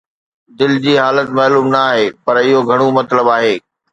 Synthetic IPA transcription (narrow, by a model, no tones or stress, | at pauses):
d̪ɪld͡ʑiːɦaːlət̪mɐːluːmnɐːɦeːpɐɾɪɦoɡʱɐɽ̃omɐt̪ləbaːɦeː